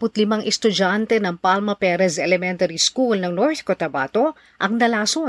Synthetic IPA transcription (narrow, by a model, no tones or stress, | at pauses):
pʊt̪lɪmɐŋʔɛst̪ʊd͡ʒant̪ɛnɐŋpalmɐpɛɾɐsɛlɛmɛnt̪ɐɾiskulnɐŋnoɹθkot̪ɐba̰ːt̪o | ʔɐŋnɐlaːso